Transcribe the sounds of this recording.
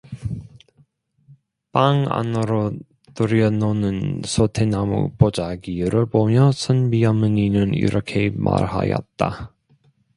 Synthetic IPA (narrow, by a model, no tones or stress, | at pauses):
paŋa̰nɯɾo | tɯɾʌnonɯnsʰotʰenamṵpod͡ʑaɡiɾɯɭbomjʌsʰʌnbijʌmɯninɯnḭɾʔʌkʰe̞ma̰ɾha̰jʌ̰t̚t͈a